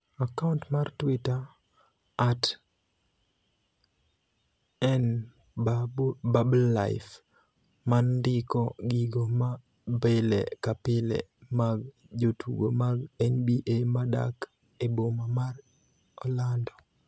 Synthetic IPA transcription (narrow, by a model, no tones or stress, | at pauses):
akauntmartwɪtaː | t | ɛn | bablla̰ɪf | mandɪkɔɡiɡoma | belḛkapɪlḛmaɡ | d͡ʒotʰṵɡo̰maɡɛnbiʔemada̰k | ebomamar | ɔlandɔ